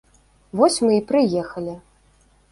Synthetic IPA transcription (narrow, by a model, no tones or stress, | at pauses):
vɔsʲmɨipɾɨjɛxɐlʲi